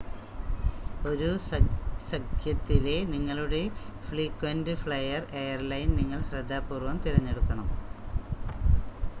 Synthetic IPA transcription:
o̞ɾu | sɐkʰjɐt̪ːile̞niŋːɐɭuɽe̞fɭiːkːwɐndɨfɭɐjɐre̞jɐrlɐjnniŋːɐɭɕrɐd̪ʱːaːpːuːrʋɐmt̪iɾɐɲːe̞ɽukːɐɳɐm

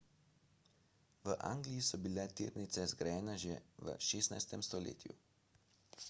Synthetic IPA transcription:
ʋəʔa̰ːŋɡlijisɔbilɛt̪ḭːɾnit̪sɛzɡɾajɛːnɛʒeʋə̰ʃeːsna̰jst̪ɛmst̪ɔlḛːt̪jṵ

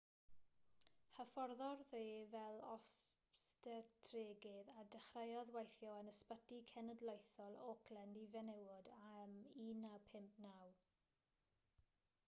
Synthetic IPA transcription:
həfɔrðɔrðeːvɛlˠɔs | tɛtʰreːɡɪðadəχrajɔðwajθjɔənəspətikʰɛnədlojθɔlˠɔkʰlɛndivɛnɛwʊdamiːnapʰɪmp̚ʰnaw

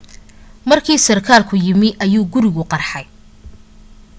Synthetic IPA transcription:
mɐrkʰiːsɐrkʰaːlkʰʊjɪmɪʔɐjuːɡʊɾɪɣʊqɑrħɑj

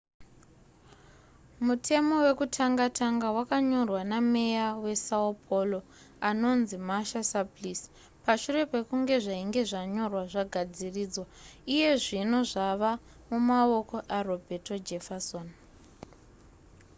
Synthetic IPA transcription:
mutʰe̞mo̞we̞kutʰaŋɡatʰaŋɡawakaɲo̞rwaname̞jawe̞saopʰolo | ano̞nzimaʃasaplis | paʃure̞pe̞kuŋɡe̞ʐaiŋɡe̞ʐaɲo̞rwaʐaɡʱad͡ziriːd͡zwaije̞ʐino̞ʐaʋa | mumao̞ko̞ʔaro̞bʱeto̞d͡ʒefason

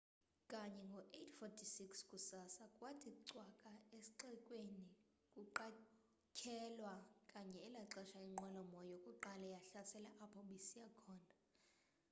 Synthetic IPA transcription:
kʼaɲɛŋɡʱɔʔetʰfɔtʰisikskʼusasakʼwatʰikuǀwakʼaesi̥ǃɛkʼweni | kʼuǃa | kʰɛlwakʼaɲɛːlaǁɛʃaiŋ͡ǃɛlɔmɔjokʼuǃalɛjaɬasɛlɛʔapʰɔɓisijakʰɔːna

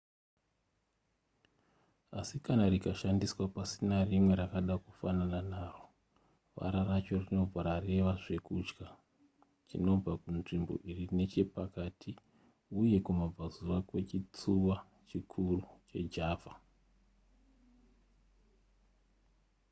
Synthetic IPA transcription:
asikanaɾikaʃandiswapasinarimwe̞ɾakaɗakufanananaːro̞ | ʋa̰ɾarat͡ʃo̞rino̞b͡vʱaɾare̞ʋaʐe̞kud͡ʒɡa | t͡ʃino̞b͡vakunʐimbo̞̰ʔiriine̞t͡ʃe̞pakatʰi | uje̞kumab͡vazuwakwe̞t͡ʃit͡suwa | t͡ʃikʰurut͡ʃe̞d͡ʒaːvʱa

